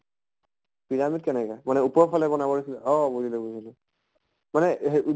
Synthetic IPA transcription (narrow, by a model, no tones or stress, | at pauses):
piɹamitkɛnɛkɛmanɛupɔɹpʰalɛbɔnabɔɹisilɛɔbozilɛbozilɛ | manɛɦeʔu